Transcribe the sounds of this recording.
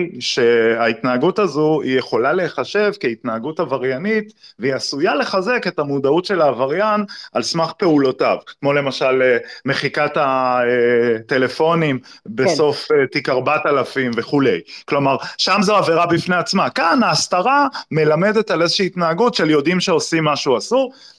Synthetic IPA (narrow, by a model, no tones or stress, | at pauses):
ʃe̞ait̪naːɡutazuijeχo̞lale̞χaʃe̞vkeit̪naaɡutavaʁjanit̪veiasujale̞χaze̞ke̞tamud̪autʃe̞laːvaʁjanʔalsmaχpe̞ulo̞tavkmo̞le̞maʃaleme̞χikataete̞le̞fo̞nimbeso̞fet̪ikaʁbat̪alafimve̞χule̞̰jklo̞maʁʃamzeave̞ʁabifne̞at͡smakanaːst̪aʁame̞lame̞d̪et̪alezeʃiːt̪naaɡutʃeljo̞d̪imʃe̞o̞simːaʃuasuʁ